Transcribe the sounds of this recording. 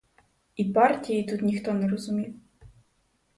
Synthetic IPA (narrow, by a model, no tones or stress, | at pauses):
ipartʲijit̪ut̪nʲixt̪ɔnɛɾɔzʊmʲiw